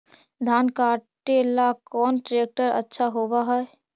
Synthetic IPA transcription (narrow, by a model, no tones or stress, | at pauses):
d̪ʱankaʈelakɔːnʈɾek̚ʈəɾə̰tːʃʰaɦobaɦɛɛ